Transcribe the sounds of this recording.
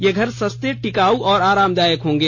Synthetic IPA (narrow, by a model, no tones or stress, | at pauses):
jeɡʱəɾsəst̪eʈikaːuʔɔːɾaːɾaːmd̪aːjəkɦõːŋɡeː